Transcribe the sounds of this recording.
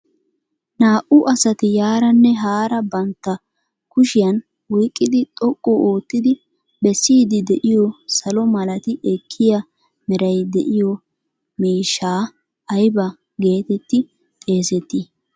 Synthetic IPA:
naːʔʊʔɐsɐt̪ɪjaːɾɐnːɛɦaːɾɐbɐnt̪ːɐ | kʊʃɪjɐn | wɔjkʼːɪd̪ɪt̪ʼɔkʼːɔʔoːt̪ːɪd̪ɪ | bɛsːiːd̪ɪd̪ɛʔɪjɔsɐlɔmɐlɐt̪ɪʔɛkʰːɪjɐ | mɪɾɐjd̪ɛ̰ʔɪjɔ | meːʃaː | ɐjbɐ | ɡe̞ːt̪ɛt̪ːɪ | t̪ʼe̞ːsɛt̪ːɪ

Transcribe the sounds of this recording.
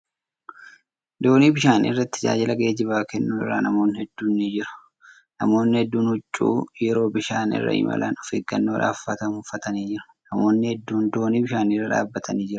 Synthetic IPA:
d̪o̞ːniːbɪʃaːnḭrːɐt̪ːɪ̥d͡ʒa̰ːd͡ʒɪlɐɡeːd͡ʒɪβaːkɛnːuːɪ̰rːa̰ːnɐmo̞ːnːɪhɛd̪ːuːnid͡ʒɪɾʊ̥ | nɐmo̞ːnːɪhɛd̪ːuːnhʊt͡ʃʼːṵːjɛɾo̞ːbɪʃaːnɪ̰rːɐ̰ɪ̰mɐ̰lɐnɔfɪːɡːɐ̰nːoːᶑa̰ːfːɐt̪ɐmʊfɐt̪ɐniːd͡ʒɪɾɐ̥ | nɐmo̞ːnːɪhɛd̪ːuːnd̪o̞ːniːbɪʃaːniːrːɐᶑa̰ːbːɐt̪ʰɐniːd͡ʒɪɾʊ̥

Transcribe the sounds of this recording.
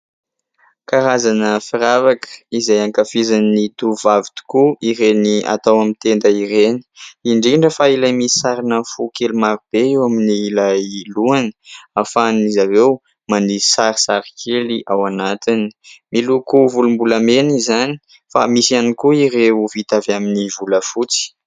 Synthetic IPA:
kaɾazanəfiɾavakə̥izajaŋkafizannid̪uvavit̪u̥kuiɾenia̰t̪awamint̪end̪əiɾeni̥iɳɖ͡ʐiɳɖ͡ʐəfailajmii̥saɾinəfukelimaɾub̥eewaminiːlajiluanəafanizavew | manisaɾisaɾikʰeliʔawanat̪ini̥milukuvulumbulamenizani | fa̰misianikuiɾeuvit̪avaminivuləfut͡si̥

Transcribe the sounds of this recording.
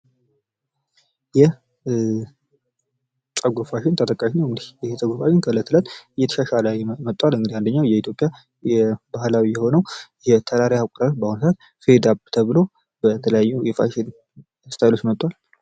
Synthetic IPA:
jɛ | t͡sʼəɡofaʃɪnt̪ʰət̪ʼəkʼːaʃnəwɡd̪ihsʼəɡʷofaʃɪnkʰələt̪ʰːɨlət̪ɨjːɛt̪ʰə̥ʃaʃaləjmət̪ʼːwalɨŋɡɨd̪iand̪əɲːawjɛit̪ʰjo̞pʼja | jɛbahlawijɛho̞nəwjɛt̪ʰəɾaɾjakʼɾaot͡ʃːbahunsat̪ | fed̪abt̪ʰəβɨlo̞ | bət̪ʰələjajːujɛfa̰ʃɪn | st̪ʰajlo̞t͡ʃːjɛmət̪ʼːwal

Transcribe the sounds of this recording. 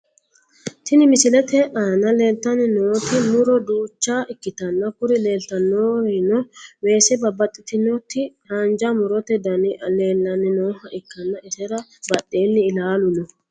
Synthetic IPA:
t̪ɪnɪmɪsɪlɛt̪ɛʔaːnɐle̞ːlt̪ːɐnɪnoːt̪ɪmʊɾɔd̪uːt͡ʃːaːʔɪkːɪt̪ɐnːɐkʊɾɪle̞ːlt̪ːɐnːoːenɔwe̞ːsɛbɐbːɐt̪ʼːɪt̪ɪnɔt̪ːɪhand͡ʒɐmʊɾɔt̪ɛd̪ɐnleːlːɐnɪnoːhɐʔɪkːɐnːɐʔɛsɛɾɐbɐɗːeːnːɪːlaːlʊnɔ

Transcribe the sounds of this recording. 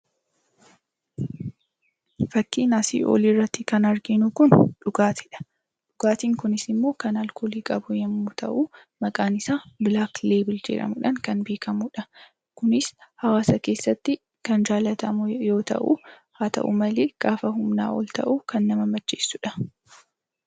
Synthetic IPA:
fɐkːiːnasḭːʔo̞̰ːliːrːɐt̪ːɪkɐnɐɾɡɪnukʊnᶑʊɡaːt̪ɪᶑɐ̥ | ᶑʊɡaːt̪iːŋkʊnɪsɪmːo̞ːkɐnɐlkoːliːkʼɐbʊjɐmːʊt̪ʰɐʔu | mɐkʼaːnɪsaːbɪlaːkleːbɪld͡ʒɛ̰ᶑɐ̰mʊᶑɐŋkɐnbe̞ːkɐmʊᶑɐ | kʊnɪshɐwaːsɐke̞ːsːɐt̪ːɪ | kɐnd͡ʒaːlɐt̪ɐmʊjo̞ːt̪ɐ̰ʔṵ | haːt̪ɐ̰ʔʊ̰mɐleːɡ̥aːfɐhʊmna̰ːwɔ̰lt̪ɐ̰ʔukɐnːɐmɐmɐt͡ʃːeːsːʊᶑɐ

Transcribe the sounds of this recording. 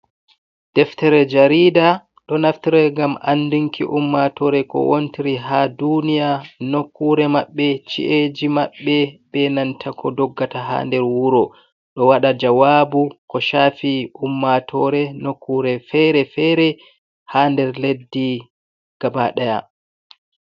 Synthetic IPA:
d̥ɛftɛɾɛd͡ʒaɾiːda | ɗɔnaftiɾɛŋɡamʔa̰nːduŋkḭʔumːatɔɾɛkɔ̰wontiɾiɦadunijanokːuɾɛmaɓːɛt͡ʃḭʔed͡ʒimaɓːɛbɛnantʰakʰɔdɔɡːataɦa̰ːndɛɾwuɾɔ | ɗɔwaɗad͡ʒawaːbukɔʃaːfiʔumːatʰɔɾɛnokːuɾɛfɛɾɛfɛɾɛ | haːndɛɾledːi | ɡ̥abaɗaja̰

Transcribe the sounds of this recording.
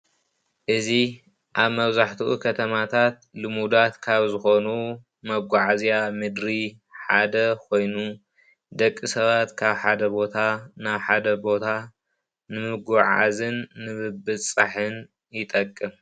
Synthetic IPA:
ʔɨzi | ʔaβmɐβzaħt̪ʰuʔukʰɐt̪ʰɐmat̪ʰat̪̚lɨmud̪at̪kʰaβzɨxo̞nu | mɐɡʷaʕazjamɨd̪ɾi | ħa̰d̪ɐkʰo̞jnu | d̪ɐkʼːisɐβat̪kʰaβħad̪ɐbo̞t̪ʰanaβħad̪ɐbo̞t̪ʰa | nɨmɨɡaʕa̰zɨnːɨβɨbɨsʼaħɨn | jɪt̪ʼɐkʼːɨm

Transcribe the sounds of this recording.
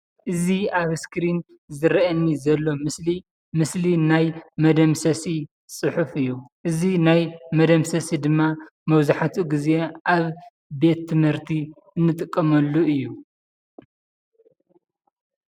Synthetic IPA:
ʔɨziaβskɾin | zɨɾɐʔɐnːizɐlːo̞mɨsli | mɨslinajmɐd̪ɐmsɐsi | sʼɨħufɨjːuʔɨzinajmɐd̪ɐmsɐsid̪ɨmːa | mɐwzaħat̪ʰuɡize̞ʔaβ | be̞t̪ʰːɨmhɨɾt̪ʰi | ʔɨnːɨt̪ʼɨkʼːɐmɐlːuɨjːu

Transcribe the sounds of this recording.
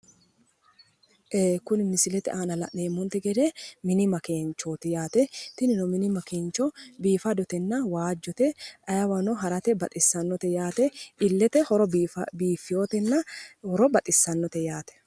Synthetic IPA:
ʔeːkʊnɪmɪsɪlɛt̪ɛ̰ʔaːnɐlɐ̰ʔneːmːɔnt̪ɛɡɛd̪eːmɪnɪmɐkeːnt͡ʃːoːt̪ɪjaːt̪ɛt̪ɪnɪnɔmɪnɪmɐkeːnt͡ʃːɔbiːfɐd̪ɔt̪ɛnːɐwaːd͡ʒːɔt̪ɛʔɐjɐwɐnɔɦɐɾɐt̪ɛbɐt̪ʼɪsːɐnːɔt̪ɛjaːt̪ɛɪlːɛt̪ɛhɔɾɔɐbiːfːɪjoːt̪ɛnːɐhɔɾɔbɐt̪ʼɪsːɐnːɔt̪ɛjaːt̪ɛ̥

